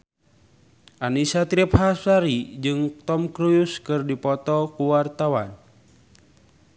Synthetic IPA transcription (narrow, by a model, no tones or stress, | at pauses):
ʔanisat̪ɾip̚hasaɾid͡ʒɨŋt̪ɔmkɾujuskɨrdipɔt̪ɔkuwart̪awan